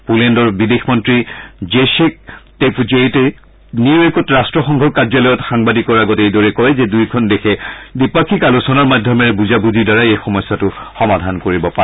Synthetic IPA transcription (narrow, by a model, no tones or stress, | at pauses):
pulendɔɹbidexmɔntɹid͡ʒesek̚tepd͡ʒetɛ | niɹbekɔtɹastɹɔxɔŋɡʱɔkːazɔlɔjɔtxaŋbadikɔɹaɡɔtejdɔɹɛkɔɹɛzɛdujkʰɔndɛxʰɛdipakʰikalusɔnɔɹmadʱjɔmɛɹbuzabuzidaɹaejxɔmɔjsːatʊxɔmadʱankoɹibɔpaɛ